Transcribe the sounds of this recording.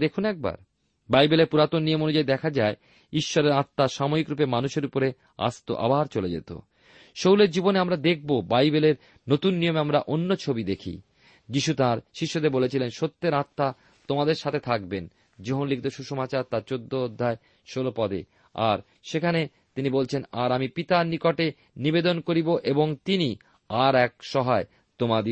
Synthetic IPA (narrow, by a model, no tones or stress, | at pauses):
d̪ekʰunɛk̚ba̰ɾ | bajbelepuɾat̪onnijomonod͡ʑaid̪ɛkʰad͡ʑae | iʃːɔɾeɾat̪ːaʃamoikɾupemanuʃeɾupoɾe | a̰st̪o̰ʔa̰baɾt͡ɕoled͡ʑḛt̪o̰ | ʃowleɾd͡ʑiboneamɾad̪ek̚ʰbobajbeleɾ | not̪unːijomeamɾaʔonːot͡ɕʰobid̪ekʰḭ | d͡ʑiʃut̪aɾʃiʃːod̪ebolet͡ɕʰilenʃot̪ːeɾat̪ːa | t̪omad̪eɾʃat̪ʰet̪ʰak̚ben | d͡ʑoɦonlik̚ʰt̪oʃuʃomat͡ɕaɾt̪aɾt͡ɕod̪ːood̪ʱːae | ʃolopɔd̪ḛ | a̰ɾ | ʃekʰane | t̪inibolt͡ɕʰenaɾamipit̪aɾnikoʈe | nibed̪onkoɾiboʔeboŋt̪ini | aɾɛk̚ʃɔɦae | t̪omad̪i